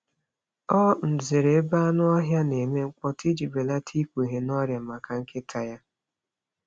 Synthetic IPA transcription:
ɔ˦n̩˨ze˨ɾe˨˦ba˦nʊ˦ɔ˦ɦja˦ne˨me˦ŋ͡m̩˦k͡pɔ˦tʰi˦d͡ʒi˨be˨la˦tʰi˦kʷɦe˨nɔ˦ɾja˨ma˨ka˨ŋ̩˦kɪ˦tʰa˨ja˦

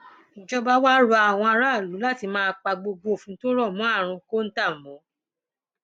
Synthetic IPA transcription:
d͡ʒɔ˧ba˦wa˦ɾo˧˦a˨w̃ɔ̃˧a˧ɾa˦˨lu˨˦la˦ti˧mãː˦k͡pa˧ɡ͡bo˧ɡ͡bo˨fũ˨˦to˦ɾɔ˦˨mɔ̃˨˦a˦˨ɾ̃ũ˧ko˦n̩˦ta˦˨mɔ̃˨˦

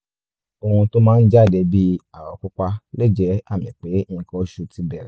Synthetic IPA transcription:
o˧hũ˧to˦mãː˦˧n̩˦d͡ʒa˦˨dɛ˧˦bi˦a˦˨ɾɔ˨˦ku˦k͡pa˦le˦˨d͡ʒɛ˦a˦˨mĩ˨k͡pe˨˦˧kɔ̃˧˦ʃu˧ti˦bɛ˦˨ɾɛ˨˦

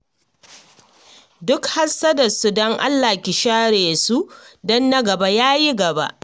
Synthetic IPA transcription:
dʊ˦kha˦sːɐ˦dɐ˨su˦dɔ˦ŋʔa̰˦lːa˨kʲɪ˨ʃaː˦ɾeː˨su˦dɔ˦nːɐ˦ɡɐ˨ba˦jaː˦ji˦ɡɐ˨ba̰˦ʔ

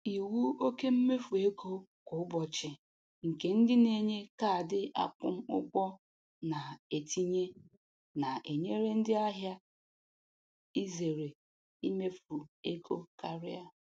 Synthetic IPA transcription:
i˨wu˦o˦ke˦m̩˦me˦fu˨e˦ko˦kʊ˨ʊ˦bɔ˨t͡ʃɪ˨ | ŋ̩˨ke˨˦n̩˦dɪ˦ne˦ɲe˦ka˦˨dɪ˦ʔa̰˦kʊ̰˦m̩˦ʊ̰˦kʷɔ˦ | na˨e˨ti˦ɲe˦ | na˨ʔe˨ɲe˦ɾe˦n̩˦dɪ˦a˦ɦja˦ | i˦ze˨ɾe˨ | i˦me˦fu˨e˦kʰo˦ka˨ɾɪ˦a˦

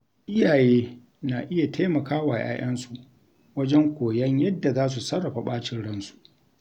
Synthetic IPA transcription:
ʔɪ˦jaː˨jeː˦ | na˨ʔɪ˦ja˨tʰa˦mɐ˨kaː˦waː˨jʔa̰ː˦j̰ɐ˦nsu˨ʔ | wɐ˦d͡ʒɛ˦ŋkʷoː˨jɐ˦ɲjɐ˦dːa˨zaː˦s̬u˨sɐ˦ɽɐ˨ɸa˨ɓaː˦t͡ʃɪ˦nɽɐ˦nsu̥˨ʔ

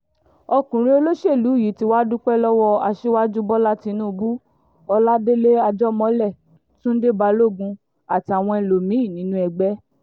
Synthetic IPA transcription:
ɔ˧kũ˨ɾ̃ĩ˧o˧lo˦ʃe˦˨lu˨˦˨ji˨˦ti˧˦wa˦du˦k͡pɛ˦lɔ˦wɔ˧a˧ʃe˦wa˦d͡ʒu˦bɔ˦la˦ti˧nũː˦˨˧bu˦ | ɔ˧la˦de˦le˦a˧d͡ʒɔ˦mɔ̃˨˦lɛ˦˨ | tũ˦n̩˦de˦ba˧lo˦˨ɡũ˧ | a˨ti˨˧a˨w̃ɔ̃˧ɛ˧˨lo˨mĩ˨˦i˦˨nĩ˨˦nũ˦ɛ˨ɡ͡bɛ˦

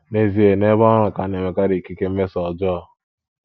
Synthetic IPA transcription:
ne˨zi˦e˨ne˦bɔ˦ɾʊ˨ka˨ne˨me˨ka˦ɾi˨ki˦ke˦m̩˦me˦sɔ˨d͡ʒɔ˦ɔ˦

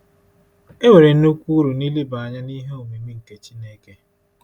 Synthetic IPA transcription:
e˦ŋʷe˨ɾe˨n̩˦nu˦kʷu˦ɾu˨ni˦li˦ba˨a˨ɲa˦ni˦ɦe˦o˨mi˨mi˦ŋ̩˨ke˦t͡ʃi˦neː˦ke˦

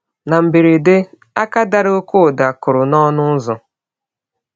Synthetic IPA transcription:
na˨m̩˨bi˨ɾe˨dɪ˦ | a˦ka˦da˦ɾo˦kʊ˦˨da˨kʊ˨ɾʊ˨nɔ˦nʊ˦zʊ˨

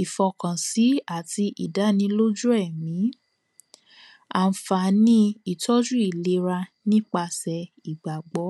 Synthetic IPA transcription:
i˨fɔ˧kã˨si˨˦a˦˨ti˧ʔi˨da˨˦nĩ˧lo˦d͡ʒu˦ɛ˦˨mĩ˨˦ | a̰˧n̩˧fa˧˨˦nĩ˦i˨tɔ˦d͡ʒu˦i˦˨le˧˦ɾa˧nĩ˦k͡pa˧sɛ˧i˨ɡ͡ba˨ɡ͡bɔ˨˦

